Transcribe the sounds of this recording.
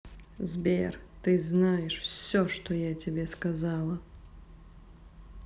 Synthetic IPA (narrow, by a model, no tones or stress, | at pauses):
zbʲɛrt̪ɨznajɛʂfsʲɔʂt̪ɔjat͡sʲabʲɛskazalˠɐ